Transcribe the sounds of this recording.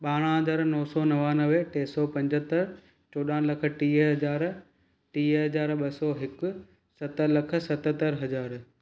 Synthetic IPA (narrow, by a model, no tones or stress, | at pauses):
ɓaːɽ̃əɦɐzaːɾnɔːsɔːnɐʋaːnəʋʈeːsɔːpɐ̃ɲd͡ʑət̪əɾ | t͡ɕoːɗãːlɐkʰə̆ʈiːɦɐzaːɾ | ʈiːɦɐzaːɾɓɐsɔːɦɪkʊ | sɐt̪ə̆lɐkʰə̆sɐt̪ət̪əɾɦɐzaːɾ